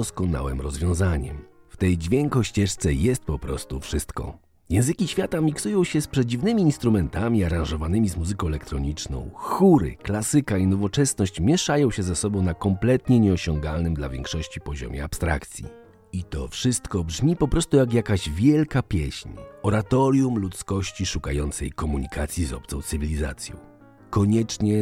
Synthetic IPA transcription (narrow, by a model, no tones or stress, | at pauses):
ɔskɔna̰wɛmɾɔzvʲjɔ̃w̃zaɲɛ̰mft̪ɛjd͡ʑvʲjɛŋkɔɕt͡ɕɛʂt̪sɛjɛst̪̚pɔpɾɔst̪ufʂɘst̪kɔ̰ | jɛ̃w̃zɘkʲiɕfʲjat̪amʲiksujɔ̃w̃ɕɛspʂɛd͡ʑivnɘmʲiːnst̪ɾumɛnt̪amʲiaɾãw̃ʐɔvanɘmʲizmuzɘkɔ̃wɛlɛkt̪ɾɔɲit͡ʂnɔ̰̃w̃xuɾɘ̰klasɘkainɔvɔt͡ʂɛsnɔɕt͡ɕmʲjɛʂajɔ̃w̃ɕɛzasɔbɔ̃w̃nakɔmplɛt̪ɲɛɲɛɔɕɔŋɡalnɘmd̪la̰vʲjɛ̰ŋkʂɔɕt͡ɕipɔʑɔ̰mʲɛ̰apst̪ɾa̰kt̪sʲjḭ | it̪ɔ̰fʂɘst̪kɔbʐmʲipɔpɾɔst̪ujakjakaʑvʲjɛlkapʲjɛ̰ɕɲɔɾat̪ɔɾjumlut̪skɔɕt͡ɕiʂukajɔnt̪sɛ̰jkɔmuɲikʰat̪sʲjizɔ̰p̚t̪sɔ̃w̃t̪sɘvʲilʲiza̰t̪sʲjɔ̰̃w̃ | kɔɲɛt͡ʂɲɛ